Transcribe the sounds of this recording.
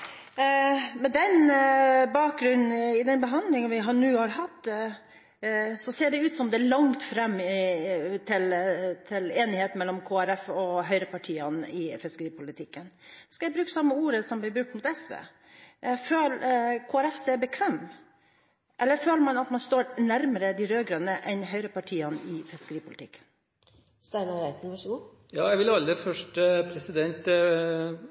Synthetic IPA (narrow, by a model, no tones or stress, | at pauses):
mɛd̪ɛn | bɑːk̚ɡɾʉn̩ɪd̪ɛnbəɦɑnd̪lɪŋənʋɪɦɑnʉːhɑɾɦɑt̪ː | sɔseːɖɛʉːt̪sɔmd̪ɛlɑŋt̪fɾɛmː | t̪ʰɪlt̪ʰɪleːnɪheːt̪nmɛlːɔmkʰoːæɾɛfɔɦœʏɾəpʰɑʈʰiːənɪfɪskəɾiːpʰʊlɪt̪ʰɪkːənskɑjæɪbɾʉːksɑmːəuːɾəsɔmblɪbɾʉkt̪mʊːt̪ɛsʋḛː | ʔføːlkʰoːæɾɛfseːbəkʰʋeːm | ʔɛlːəɾføːləɾmɑnɑt̪mɑnst̪oːɾnæɾməɾəd̪iɾøːɡɾœnəʔɛnɦœʏɾəpɑʈʰiːənɪfɪskəɾiːpʰʊlɪt̪ɪkːə̥n | st̪æɪnɑɾæɪt̪n̩ʋɑʂɡuː | jɑːjæɪʋɪlɑld̪ɾɪfœʂʈəpʰɾɛsɪd̪ɛnt̪